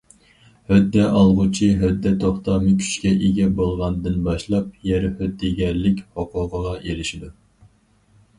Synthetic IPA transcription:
hød̪ːɛʔɑlˠʁʊt͡ʃʰiɦød̪ːɛt̪ʰoχt̪ɑmɨkʲʰy̥t͡ʃkʲɛʔeɡʲɛbolˠʁɑnd̪ɨnbɑʃlˠɑp̚jɛɾhød̪ːiɡʲɛɾlɪkʲhoqʰʊʁəʁɑʔelɪʃid̪u

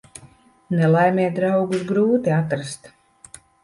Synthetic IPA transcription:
nɛlˠajmʲɛːd̪ɾawɡusɡɾuːt̪iat̪̬ɾast̪

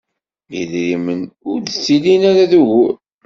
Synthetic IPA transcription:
jiðɾimənʊɾðt͡sːilinæɾaðuʝuɾ

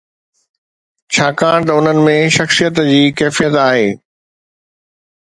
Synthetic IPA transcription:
t͡ɕʰaːkãːɽ̃t̪ɐʊn̤ənɪ̆mẽʃɐxsijət̪d͡ʑiːkɛːfijət̪aːɦeː

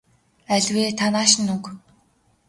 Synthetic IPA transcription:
æɮʲweːt̪ʰanaːʃɪ̆nːuk

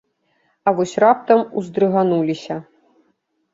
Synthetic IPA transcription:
ɐvɔsʲrap̚t̪ɐmuzd̪ɾɨɣanulʲisʲɐ

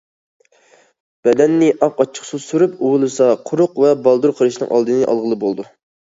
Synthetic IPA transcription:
b̥ɛd̪ɛnːɪʔɑpɑt͡ʃʰə̥χsusuɾupuwʊlˠɨsɑqʰʊɾʊqvɛbɑlˠd̪uɾqʰəɾɨʃnɨ̰ŋʔɑ̰lˠd̪ɨnɨʔɑ̰lˠʁəlˠɨbolˠd̪u

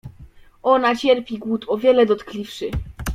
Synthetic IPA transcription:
ɔnat͡ɕɛɾpʲiɡwut̪ɔvʲjɛlɛd̪ɔt̪klʲifʂɘ

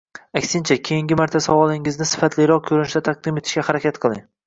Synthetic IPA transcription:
akʲsɪnt͡ʃʰakʲʰejɪŋɡʲɪmaɾt̪ʰasavɒlˠɪŋɪznɪsɪ̥fat̪ʰlɪɾɒq̚kʰɵɾɪnɪʃd̪at̪ʰaɑq̚d̪ɪme̞t̪ʰɪ̥ʃkʲahaɾakʲʰat̪qʰɨlˠɪ̰ŋ

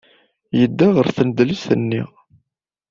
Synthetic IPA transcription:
jəd̪ːaʁəɾθənd̪lisənːḭ

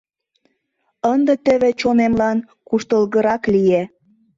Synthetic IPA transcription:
ənd̪ə̆t̪ə̆βĕt͡ɕonemlɑn | kuʃt̪əlɣə̆ɾɑklije

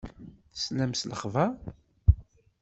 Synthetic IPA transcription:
θslæmsləχva

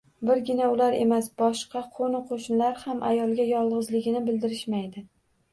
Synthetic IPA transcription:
bɪɾɡʲɪnaʊlaɾe̞̰masbɒʃqɑqʰonɪqʰoʃnlaɾhamʔajɒlˠɡʲajɒlˠʁɨzlɪɡʲɪnɪbɪld̪ɪɾɪʃmajd̪ɪ

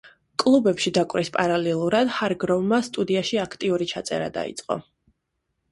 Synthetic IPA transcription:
kʼlˠubɛpʃid̪akʼwɾispʼaɾalɛlˠuɾad̪haɾɡɾɔvmast̪ʼud̪iaʃiakʰt̪ʼiuɾit͡ʃʰat̪sʼɛ̰ɾa̰d̪a̰ḭt̪sʼqʼɔ̰

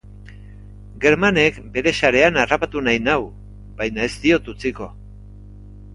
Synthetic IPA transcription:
ɡe̞ɾmane̞kbe̞ɾe̞saɾe̞anarapat̪unajnaw | bajnae̞zt̪io̞t̪ut͡siko̞

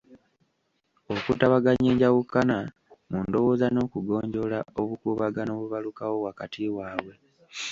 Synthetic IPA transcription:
okṵtaβaɡaɲeːɲɟaɣukːana | mundo̞wo̞ːzano̞ːkuɡo̞ːɲɟo̞laoβukuβaɡano̞ːβuβalukawo̞βwakatʰiwaːwe̞

